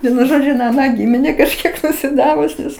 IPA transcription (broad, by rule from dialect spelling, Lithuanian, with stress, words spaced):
ˈʋʲiɛnʊ ˈʒoːd͡ʒʲʊ ɪn ɐˈnɑː ˈɡʲiːmʲɪnʲɛ kɐʃʲˈkʲiɛk nʊsʲɪˈdɑːʋʊs nʲɛs